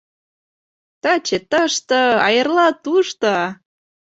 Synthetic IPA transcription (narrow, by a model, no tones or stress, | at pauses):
t̪ɑt͡ɕet̪əʃt̪ɤɑjərlɑt̪uʃt̪ɤ